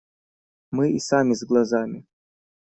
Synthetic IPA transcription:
mɨisamʲɪzɡlˠɐzamʲɪ

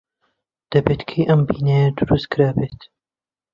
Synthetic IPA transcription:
d̪̥ɐbet̪kʰejʔɐmbiːnɐjɐd̪uɾust̪̚kʰɨɾaːbeːt̪

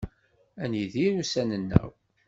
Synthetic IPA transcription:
ænjiðinusænənːə̰w

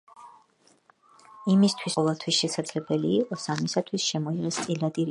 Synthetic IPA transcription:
imist̪ʰwisʼɔvɛlˠt̪ʰwisʃɛsad̪zlɛbɛliːqʼɔsamisat̪ʰwisʃɛmɔiʁɛst̪sʼilad̪iɾ

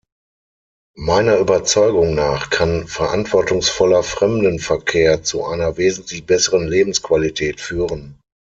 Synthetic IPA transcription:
maɪnɐʔyːbɐt͡sɔʏɡʊŋnaːχkʰanfɛɐʔantv̥ɔɐtʊŋsfɔlɐfʁ̥ɛmdənfɛɐkʰeːɐt͡suʔa̰ɪnɐveːzn̩tʰlɪçb̥ɛsəʁənleːbm̩skv̥alitʰɛːtfyːʁən

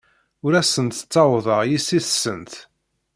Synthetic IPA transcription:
ʊɾæsənt̪ə̥t͡sːɑwðˤəʁjisiθsənt̪

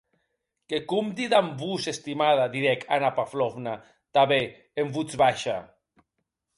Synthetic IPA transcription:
kekumd̪iðambusest̪imaðad̪iɾɛkʰanapaflovna | t̪aβe | embut͡sβaʃa̰

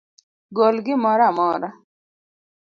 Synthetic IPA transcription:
ɡolɡimɔɾamɔːɾa

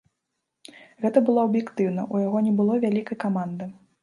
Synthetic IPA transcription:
ɣɛt̪ɐbɨlˠɔɐbjɛkt̪ɨwnɐʔujaɣɔnʲɛbɨlˠɔvʲalʲikɐjkamand̪ɐ

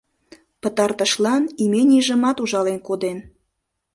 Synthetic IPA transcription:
pət̪ɑrt̪əʃlɑnimeniʒə̆mɑt̪uʒɑlenkod̪en

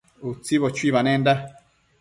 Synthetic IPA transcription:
ut͡siβot͡ʃwiβanɛnda

